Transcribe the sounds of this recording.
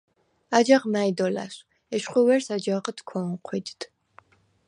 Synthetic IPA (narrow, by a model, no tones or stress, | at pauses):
ad͡ʒaʁmajd̪ɔla̰ʃ | ɛʃχʷuwɛɾsad͡ʒaʁət̪ʰkʰɔnqʰʷid̪d̪̥